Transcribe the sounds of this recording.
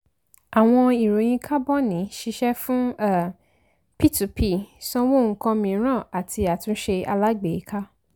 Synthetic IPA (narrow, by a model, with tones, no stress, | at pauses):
a˨w̃ɔ̃˧i˨ɾo˨j̃ĩ˧kʰa˦bɔ˦nĩ˨˦ʃi˧ʃɛ˦fũ˦ɛ˦˨ | pi˦˨tu˨pʰi˦˨sɔ̃˦wo˦˨ŋ̩˨˧kã˧mĩ˧˨˦ɾ̃ã˦˨a˨tʰi˧a˨tũ˧˦ʃe˧a̰˧la˦ɡ͡be˨i˨˦ka˦